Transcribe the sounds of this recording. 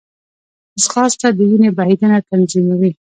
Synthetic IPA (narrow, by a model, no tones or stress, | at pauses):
asxɑst̪ad̪əwinebaid̪anat̪anzimawi